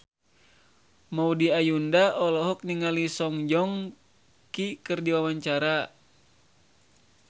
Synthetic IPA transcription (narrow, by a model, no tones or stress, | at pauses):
maudiajundaʔɔlɔɦɔk̚niŋalisɔŋd͡ʒɔŋ | kikɨrdiwawaɲt͡ʃaɾa